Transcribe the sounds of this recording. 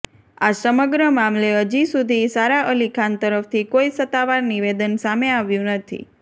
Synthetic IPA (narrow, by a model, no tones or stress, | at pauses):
asəməɡɾəmamleɦəd͡ʒisud̪ʱisaɾaʔəlikʰant̪əɾəft̪ʰikoisət̪ːaʋaɾniʋed̪ənsameaʋjũnət̪ʰḭ